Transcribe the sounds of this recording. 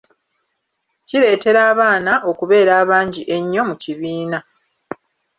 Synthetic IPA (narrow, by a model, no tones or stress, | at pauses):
ciɾe̞ːte̞ɾaːβaːnaʔo̞kuβe̞ːɾaːβaːɲɟiʔe̞ɲːo̞muciβiːna